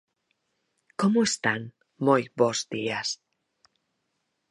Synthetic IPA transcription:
komoest̪aŋ | mojbozd̪ias

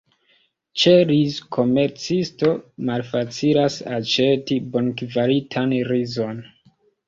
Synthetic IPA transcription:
t͡ʃe̞ɾizkʰo̞me̞ɾt͡sisto̞malfat͡silasat͡ʃe̞tibo̞nkvaɾitʰanɾizo̞n

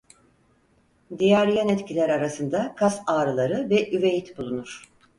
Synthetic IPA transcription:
d̪ijæɾjanɛt̪cʰilʲæɾaɾasɯnd̪akʰasaːɾɯlˠaɾɯvɛʔyvejit̪bulˠunuɾ̥

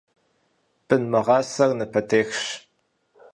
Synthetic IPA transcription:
b̥ɨnmɐʁɑːsɐrnɨpʰɐtʰeːxɕ

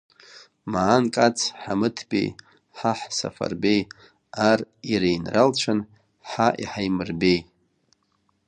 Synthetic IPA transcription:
maːnkʼat͡sʰħamɨtʰbʲʼḛj | ħaħsa̰fa̰rbej | ariɾejnralt͡ʃʷʰan | ħaʔiħajmɨrbej

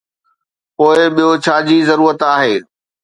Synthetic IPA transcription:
poːɪɓijot͡ɕʰaːd͡ʑiːzɐɾuːɾət̪aːɦeː

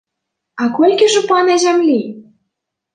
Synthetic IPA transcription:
ɑkolʲkʲĕʒĕpɑnæzæmlʲi

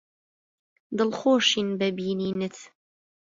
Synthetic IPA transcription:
d̪ɨlχoːʃiːnbæbiːniːnɨt̪ʰ

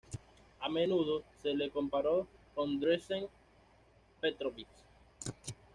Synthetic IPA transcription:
amenuð̞oselekompaɾokõnd̪ɾeseŋ | pet̪ɾoβit͡ʃ

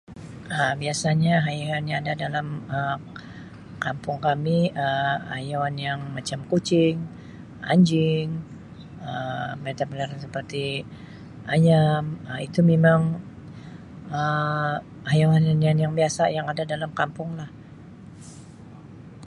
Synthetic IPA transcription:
əbiasaɲaɦajaanɲaadadalamə | kampʊŋkamiəajawanjaŋmat͡ʃamkut͡ʃɪŋ | ʔa̰ɲd͡ʒɪŋ | əmet̪abəlaɾansəpərt̪i | ʔajaməit̪umemaŋ | ə | hajawannjanjaŋbiasajaŋadadalamkampʊŋlah

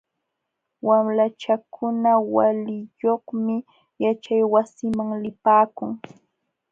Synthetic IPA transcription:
wamlat͡ʃakʰʊnawalɪjoχmɪ | jat͡ʃajwasɪmaŋlɪpaːkʊŋ

